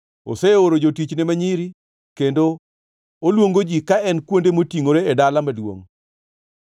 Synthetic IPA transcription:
o̰seoɾod͡ʒotit͡ʃnemaɲiɾi | kendo | olwoŋɡod͡ʒikaɛnkwondemotiŋoɾeedalamadwo̰ŋ

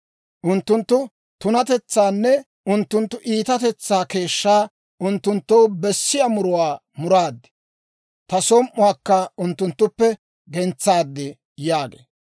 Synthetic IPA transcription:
ʔʊnt̪ːʊnt̪ːʊ | t̪ʊnɐt̪ɛt͡sːaːnːɛ | ʔʊnt̪ːʊnt̪ːʊʔiːt̪ɐt̪ɛt͡sːaːke̞ːʃːaː | ʔʊnt̪ːʊnt̪ːowbɛsːɪjamʊɾʊwaː | mʊɾaːd̪ːɪ̥ | t̪ɐsɔmʔʊwaːkːɐʊnt̪ːʊnt̪ːʊpːɛ | ɡɛnt͡sːaːd̪ːɪ | jaːɡḛː

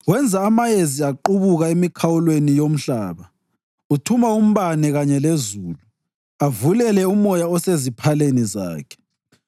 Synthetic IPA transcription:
wɛnd͡zʱaːmajeziaǃuβuɣaemikʰawulwenijom̩ɬaːβa | utʰumaum̩βanɛɣaɲɛlezuːlu | avulɛlɛumɔjaɔsezipʰaleniza̰ːkʰɛ̥

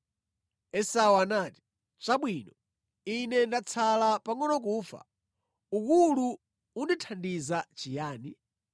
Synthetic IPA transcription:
ɛsawanaːti̥ | t͡ʃaɓwinɔ | inɛndat͡sʰalapaŋɔnɔk̬uːfa̰ | uk̬ulu | unditʰandizat͡ʃijaːni

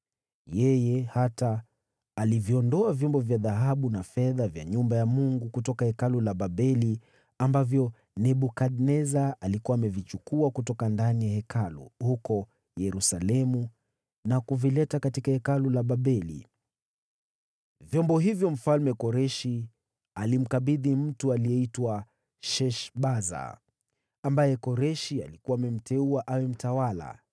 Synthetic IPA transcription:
jɛjɛhataː | liviɔndɔavjɔmbɔvjaðaɦaɓunafɛðavja̰ɲumbajamuŋɡukutɔkahɛkalulaɓaɓɛli | ambavjɔ | nɛɓukaɗnɛzaalikuwaːmɛvit͡ʃukuakutɔkandanijahɛkalṵhukɔ | jɛɾusalɛmu | nakuvilɛtakatikahɛkalulaɓaɓɛlḭ | vjɔmbɔɦivjɔm̩falmɛkɔɾɛʃi | alim̩kaɓiðim̩tualiɛitwa | ʃɛʃɓaza̰ | ambajɛkɔɾɛʃia̰likuwaːmɛm̩tɛuaʔawɛm̩tawala̰

